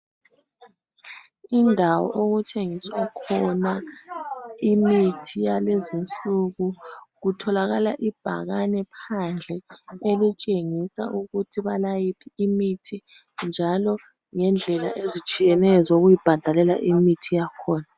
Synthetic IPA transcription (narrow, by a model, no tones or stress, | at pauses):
indʱawɔ̰ʔoɣut͡ʃʼeŋiswakʰɔna | imitʰijalezint͡sʼuɣuɣutʰɔlaɣalaʔib̥ʱa̰ɣanɛpʰand͡ɮʱɛelit͡ʃʼeŋisa̰ʔuɣutʰiβalajipʰiːmitʰi | nd͡ʒʱalɔ | ŋɛnd͡ɮʱɛla̰ʔezit͡ʃʼijɛnɛzoɣujib̥ʱad̥ʱalɛla̰ʔimitʰijakʰɔːna